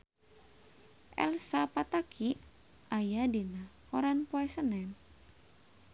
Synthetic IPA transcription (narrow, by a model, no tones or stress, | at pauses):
ʔɛ̰lsapat̪akʰi | ʔajadinakɔɾanpɔɛsənɛn